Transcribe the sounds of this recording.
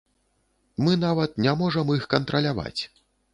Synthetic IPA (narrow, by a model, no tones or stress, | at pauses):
mɨn̪avɐt̪̚nʲamɔʐɐmixkɐnt̪ɾɐlʲava̰t͡sʲ